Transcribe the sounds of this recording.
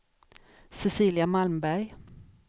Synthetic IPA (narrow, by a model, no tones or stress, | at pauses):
sɛsiːljamalmbæɾj